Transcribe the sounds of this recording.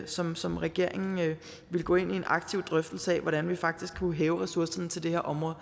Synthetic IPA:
sɒ̽msɒ̽mʁɛɡ̥e̝ɐ̰eŋn̩ | ʋe̝lɡ̥ɔ̽ːe̝n̰ie̝nʔɑ̈ɡ̥̚t͡sʰiʊd̥ʁœfd̥l̩səɛːʋɒɾ̥ænʋifɑ̈ɡ̥̚d̥isɡ̥ʰuɦɛːʊʁɛsuɐsɐnət͡sʰeld̥e̝heɐʔɒ̽mʁɔ̽ð̩ˠ

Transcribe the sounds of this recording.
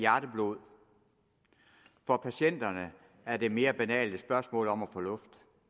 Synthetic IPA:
jæɐɾ̥əb̥lo̝̰ð̰ˠ | fɒ̽pʰæɕen̰d̥ɐnə | æɐd̥e̝me̝ːɐb̥ænɛ̰ːld̥əsb̥ɶɐsmɔ̰̽ːlɒ̽mæfɔlɔ̽fd̥

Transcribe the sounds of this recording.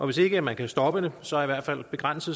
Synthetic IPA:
ʔɒ̽ʋe̝se̝ɡ̥əæmænkʰæsd̥ɒ̽b̥ədesɒ̽æɐiʋæɐ̰d̥fæl̰b̥e̝ɡ̥ʁan̰səð̩ˠ

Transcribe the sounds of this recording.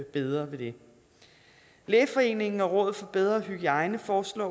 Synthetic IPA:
b̥eðˠʁɐʋe̝d̥e̝ | lɛːfɒ̽e̝̰ːne̝ŋŋ̩ɒ̽ʁɔ̽ːðˠð̩ˠfɒ̽b̥eð̞ˠʁɐɦyɡ̥iɑ̈ɪnəfɒːslɒ̰ː

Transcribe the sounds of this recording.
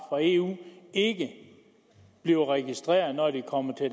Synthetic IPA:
fʁɒe̝ṵːe̝ɡ̥ə | b̥liʊʁɛɡ̥isd̥ʁɛḛːɐð̩ˠnɒd̥ikʰɒ̽m̰ɐt͡sʰe̝

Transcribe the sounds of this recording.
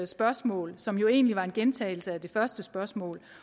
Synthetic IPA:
ð̩ˠsb̥ɶɐsmɔ̰̽ːlsɒ̽mjo̝e̝̰ːnliʋɑ̈e̝nɡ̥ent͡sʰɛ̰ːɪl̩səæd̥e̝fɶɐsd̥əsb̥ɶɐsmɔ̰̽ːl

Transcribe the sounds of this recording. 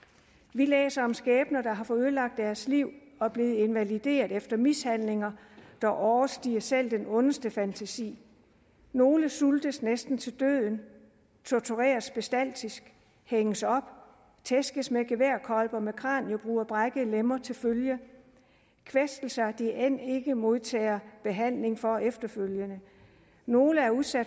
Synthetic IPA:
ʋilḛːsɐɒ̽msɡ̥ɛːb̥nɐd̥ɑ̈ɦɑ̈fɒ̽øðˠlɑ̈ɡ̥̚d̥æɐsliʊ̰ | ɒ̽b̥le̝ːð̞̩ˠe̝nʋælid̥e̝̰ːɐðˠefd̥ɐmishænle̝ŋɐ | d̥ɑʔɒʊɐsd̥ḭːɐsel̰d̥enɔ̽nəsd̥əfænt͡sʰæsḭː | no̝ːləsuld̥əsnesd̥n̩t͡sʰe̝ld̥ø̰ð̰ˠn̩ | t͡sʰot͡sʰuʁɛ̰ːɐsb̥e̝sd̥æl̰d̥ʰisɡ̥ | heŋəsɒ̽b̥ | t͡sʰesɡ̥əsmeɡ̥e̝ʋeɐ̰kʰɒ̽lb̥ɐmekʰʁɑ̰̈ːnjo̝b̥ʁuːɐb̥ʁaɡ̥əlemɐt͡sʰe̝lføljə | kʰʋesd̥l̩sɑ̈d̥iʔen̰e̝ɡ̥əmo̝ð̰ˠt͡sʰɛ̰ːɐb̥e̝ɦæn̰le̝ŋfɒ̽efd̥ɐføljənə | no̝ːləæɐuðˠsæd̥

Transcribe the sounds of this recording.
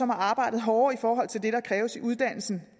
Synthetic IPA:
ɒ̽mhɑ̈ɑ̈ːb̥ɑ̈ɪ̰dð̩ˠɦɒːifɒːɦɒ̽l̰t͡sʰe̝ld̥e̝ɾ̥ɑ̈kʰʁɛːʊəsiʔuð̞ˠd̥æn̰l̩sn̩

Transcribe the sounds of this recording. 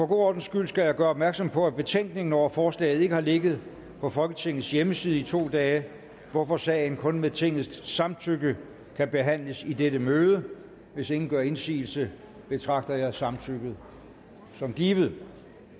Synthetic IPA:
pʰɒ̽ɡ̥o̝̰ːɒ̰ːdn̩sɡ̥yl̰sɡ̥æjɑɪɡɶːɐɒb̥mæɐɡ̥sɒ̽mpʰɒ̽æb̥e̝t͡sʰeŋ̰ɡ̥ne̝ŋn̩ɒʊ̰fɒːslɛ̰ːɪð̞̩ˠe̝ɡ̥əhɑ̈le̝ɡ̥ð̩ˠ | pʰɒ̽fɒ̽lɡ̥ət͡sʰe̝ŋ̰ð̩ˠsjeməsiːð̞ˠəit͡sʰo̝̰ːd̥ɛː | ʋɒfɒ̽sɛ̰ɪn̩kʰɔ̽nmeðˠt͡sʰe̝ŋ̰ð̩ˠssɑ̈mt͡sʰyɡ̥ə | kʰæb̥e̝ɦæn̰ləsid̥eɾəmøːð̞ˠə | ʋe̝se̝ŋn̩ɡ̥ɶɐe̝nsḭːl̩sə | b̥e̝t͡sʰʁɑ̈ɡ̥̚d̥ɐjɑ̈ɪsɑ̈mt͡sʰøɡ̥ð̩ˠ | sɒ̽mɡ̥iːʋð̩ˠ

